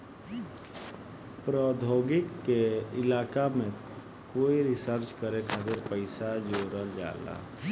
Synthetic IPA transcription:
pɾɔːd̪ʱoːɡɪkːeɪlaːkamẽ | koːiɾɪsəɾt͡ʃkəɾekʰaːt̪ɪɾpəɪsad͡ʒoːɾəld͡ʒa̰ːla̰

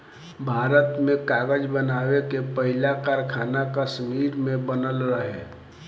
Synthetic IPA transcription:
bʱaːɾət̪mẽkaːɡəd͡ʒbənaːwekepəɦɪlakaːɾkʰaːnakəsmiːɾmẽbənəlɾəɦeː

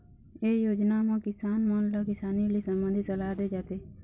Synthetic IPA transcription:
ejod͡ʒnamãkɪsanmɔnləkɪsanilisə̃mbə̃nd̪ʱisəlad̪ed͡ʒat̪e

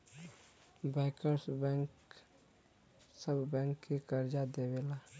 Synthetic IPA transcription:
baɪkəɾsbɛ̃ŋk | səbbɛ̃ːŋkːekəɾd͡ʒad̪ewela

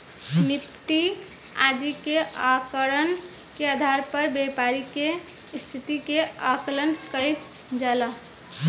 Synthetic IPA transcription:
nit̪ːi | a̰d͡ʒ̪ikeʔakəɾən | kead̪ʱaɾpəɾbepaɾike | st̪ʰit̪ikeakələnkəjp | d͡ʒala

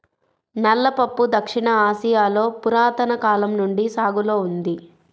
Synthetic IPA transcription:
nɐlːɐpɐpːud̪ɐkʂiɳɐaːsijaːlo̞ːpuɾaːt̪ɐnɐkaːlɐmnuɳɖisaːɡuloːund̪i

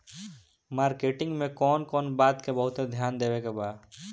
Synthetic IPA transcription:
maːɾkeːʈɪ̃ŋɡmẽkɔːnkɔːnbaːt̪kebəɦʊt̪ed̪ʱjaːnd̪eːwekebaː

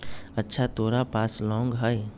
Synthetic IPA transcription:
ətːʃʰat̪oːɾapaːslɔ̃ːŋɡɦəj

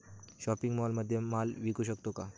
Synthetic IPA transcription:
ɕɔpiŋɡmɔlməd̪ʱːjemalʋikuɕəkt̪oka

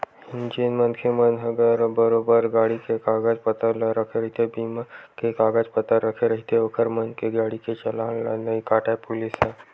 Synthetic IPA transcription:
hɪnd͡ʒinmənkʰemənɦəɡəɾbəɾobəɾɡaːɽikekaːɡad͡ʒpət̪əlɾəkʰeɾəɦit̪ebiːmakekaːɡaːd͡ʒpət̪əɾəkʰeɾəɦit̪eʋəkʰəɾmənkeɡaːɽiket͡ʃɐlanlanəikaːʈaepʊlisa

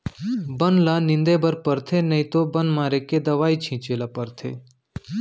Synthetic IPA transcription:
bənlanɪ̃nd̪ebəɾpəɾt̪ʰenɐĩt̪obənmaːɾeked̪ɐʋaːit͡ʃʰĩːt͡ʃelapəɾt̪ʰḛ

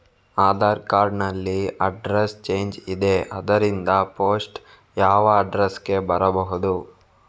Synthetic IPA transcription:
aːd̪aːɾkaːɾɖnɐlːiɐɖɾest͡ʃe̞ːɲd͡ʒid̪e̞ʔɐd̪ɐɾind̪ɐpoːsʈ | jaːʋɐːɖɾeske̞bɐɾɐbɐɦud̪u

